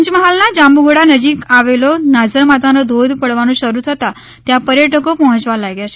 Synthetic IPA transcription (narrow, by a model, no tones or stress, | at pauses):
ɲt͡ʃməɦalnad͡ʒambuɡɽanəd͡ʒikaʋelonazəɾmat̪anod̪ʱod̪ʱpəɽʋanũʃəɾut̪ʰət̪a | t̪japəɾjəʈəkopɔɦə̃t͡ʃʋalaɡjaʃe